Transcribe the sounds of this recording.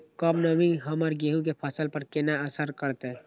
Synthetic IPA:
kɔbnəmĩɦɐməɾɡeɦũk̬epʰəsəlpəɾkɪnaəsəɾkəɾt̪eɛ

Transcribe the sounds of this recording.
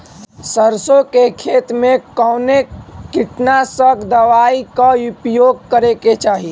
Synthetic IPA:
səɾsõkekʰet̪mekəwnekiʈnasəɡd̪əʋaikaupjoɡ̚kəɾeket͡ʃaɦi

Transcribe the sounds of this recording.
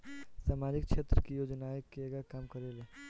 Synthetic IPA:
saːmaːd͡ʒik̚t͡ʃʰet̪ɾəkijoːd͡ʒnaekeeɡakaːmkəɾele

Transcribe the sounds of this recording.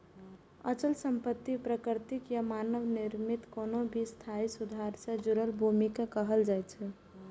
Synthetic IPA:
ə̰t͡ʃəlsəmpət̪ːipɾəkɾt̪ikjamanəʋniɾmit̪koːnobʱist̪ʰaisud̪ʱaɾsẽd͡ʒʊɾəlbʱumikakəɦəld͡ʒajt͡ʃʰɛ

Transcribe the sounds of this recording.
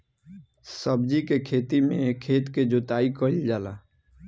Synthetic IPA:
səbd͡ʒikekʰeːt̪imẽkʰeːt̪ked͡ʒot̪aːikəild͡ʒaːla̰

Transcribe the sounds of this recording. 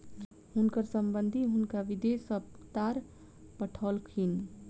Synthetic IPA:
ɦʊnkəɾsəmbənd̪ʱiɦʊnkaʋid̪esəpt̪aɾ | pəʈʰɔlkʰin

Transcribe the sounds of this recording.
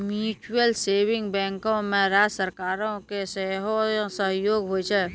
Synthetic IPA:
mjut͡ʃuəlsebiŋɡbɛ̃ŋkõmẽɾad͡ʒsəɾkaːɾõkeseɦosəɦjoɡɦojt͡ʃʰɛ

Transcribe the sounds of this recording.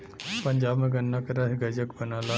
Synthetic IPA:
pɐ̃ɲd͡ʒaːbmẽɡɐnːakeɾaɦɡɐd͡ʒəkbɐnaːla

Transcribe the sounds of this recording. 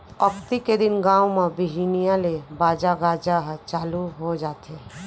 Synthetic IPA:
əkʰt̪iked̪ɪnɡãːwmabɪɦinijãlebaːd͡ʒaɡaːd͡ʒaɦt͡ʃaːluɦod͡ʒaːt̪e

